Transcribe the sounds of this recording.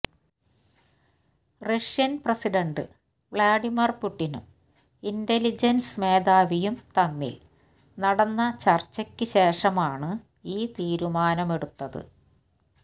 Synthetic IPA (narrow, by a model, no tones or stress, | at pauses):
rɐʂjɐnprɐsiɖɐɳɖɨ | ʋɭaːɖimirpuʈːinṵm | indelid͡ʑɐnsme̞ːd̪aːʋijumt̪ɐnːḭl | nɐɽɐnːɐt͡ɕɐrt͡ɕːɐkʲːɨɕe̞ːʂɐmaːɳɨ | iːt̪iːɾumaːnɐme̞ɽut̪ːɐðɨ̰